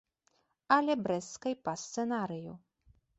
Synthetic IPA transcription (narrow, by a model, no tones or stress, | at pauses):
ɐlʲɛbɾɛskɐjpɐst̪sɛnaɾɨju